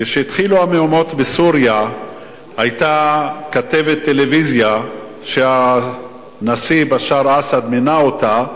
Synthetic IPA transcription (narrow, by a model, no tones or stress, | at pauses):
keʃeit̪χiluameomo̞t̪besuʁja | ajt̪akat̪e̞vet̪ːe̞le̞vizja | ʃea | nasibaʃaʁasad̪menao̞t̪a